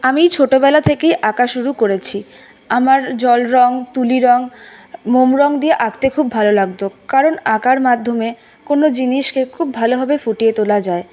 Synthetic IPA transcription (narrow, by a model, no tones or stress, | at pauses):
amit͡ɕʰoʈobɛlat̪ʰekejʔakaʃuɾukoɾet͡ɕʰi | amaɾd͡ʑɔlɾɔŋt̪uliɾɔŋmomɾɔŋd̪ieʔaɡt̪ekʰubːʱalolaɡ̚t̪okaɾonakaɾmad̪ʱːome | konod͡ʑiniʃkekʰub̚ːʱaloɦɔbefoʈijet̪olad͡ʑae